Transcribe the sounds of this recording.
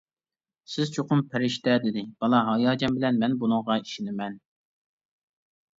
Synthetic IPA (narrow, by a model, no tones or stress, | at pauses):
sɪzt͡ʃʰoqʊmpʰæɾɪʃt̪ɛd̪ɪd̪ɪb̥ɑlˠɑɦɑjɑːd͡ʒɑmbɪlɛnmɛnbunɨŋʁɑiʃinɪmɛn